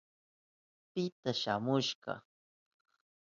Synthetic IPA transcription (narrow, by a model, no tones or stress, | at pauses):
pɪt̪aʃamʊʃɢɑ̰